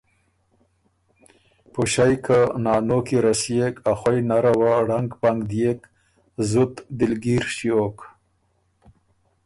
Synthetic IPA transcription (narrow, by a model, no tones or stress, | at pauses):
puʃajkʰanɑːnokiɾasjekʰaxwajnaɾawaɽaŋɡpaŋɡd̪jek | zut̪d̪ɪlɡiɾʃjok